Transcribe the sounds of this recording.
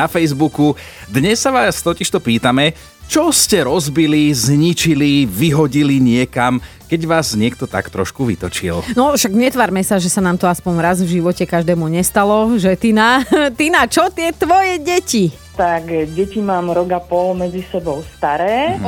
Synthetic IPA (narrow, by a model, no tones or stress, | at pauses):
afɛjzbuku | d̪ɲɛsːaʋaːst̪ɔciʃt̪ɔpiːt̪amɛ | t͡ʃɔscɛɾɔzbilizɲit͡ʃiliʋiɦɔɟiliɲɪɛkam | kɛɟʋaːzɲɪɛkt̪ɔt̪a̰kt̪ɾɔ̰ʃkuʋḭt̪ɔt͡ʃḭlnɔʃaɡɲɛt̪ʋaɾmɛsaʒɛsanaːmt̪ɔaspɔnɾazvʒiʋɔcɛkaʒd̪ɛːmuɲɛst̪alɔʒɛt̪inat̪inat͡ʃɔt̪ɪɛt̪ʋɔjɛɟɛci | t̪akɟɛcimaːmɾɔɡapɔlmɛd͡zisɛbɔʊst̪aɾɛː